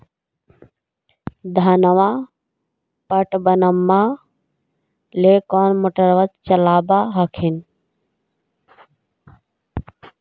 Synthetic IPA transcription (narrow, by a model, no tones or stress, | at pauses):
d̪ʱanəʋa | pəʈbənəmːa | lekɔːnmoʈəɾʋət̪̚t͡ʃəlaːbaɦakʰin